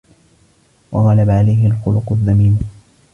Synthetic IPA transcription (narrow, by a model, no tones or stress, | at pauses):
wɑɣɑlabaʕalajhɪlxʊlʊqʊðːamiːn